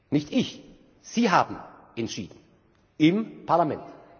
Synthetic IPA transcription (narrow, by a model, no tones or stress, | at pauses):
nɪçtɪç | z̥iːɦaːbm̩ʔɛntʃḭːdn̩ | ɪmpʰaɐlamɛnt